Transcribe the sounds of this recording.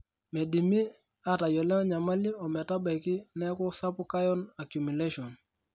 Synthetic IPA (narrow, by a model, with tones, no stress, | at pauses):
me˨di˨mi˦ | a˨ta˨jɔ˨lɛ˦ɔ˦ɲa˨ma˦li˦ɔ˨mɛ˨ta˦ba˨i˨kɪ˦nɛ˦kɔ˦sa˦pʊ˦ka˦jɔ˦na˨kju˨mi˨le˦ʃɔ˨n